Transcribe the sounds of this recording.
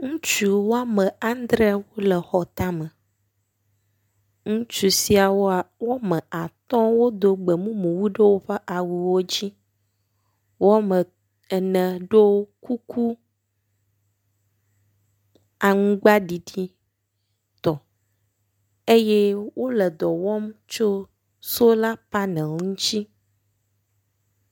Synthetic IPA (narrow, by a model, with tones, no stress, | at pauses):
ŋũ˦t͡ʃu˨wo˦a˦mə̃˨a˦n˦d̪ɾɛ˦wo˦lə˨xɔ˨t̪a˦mə˨ | ŋũ˦t͡ʃu˨si˦a˨wo˦a˨wo˦mɛ̃˨a˨t̪ɔ̃˦wo˦d̪o˨ɡ͡bə˨mũ˦mũ˨wu˦ɖe˦wo˦ɸə˦ʔa˨wu˨wo˦d͡ʑi˦ | wo˦mə̃˨ | ɛ˨nə̃˨ɖe˦wo˦ku˦kʰu˦ | a˨ŋũ˦ɡ͡ba˦ɖi˨ɖi˦ | t̪ɔ˨ | e˦je˦wʔo˦lɛ˨d̪ɔ˨wɔ˦mt͡ʃo˦ | so˦la˦pa˦nɛ̃˨ŋũ˦t͡ɕi˦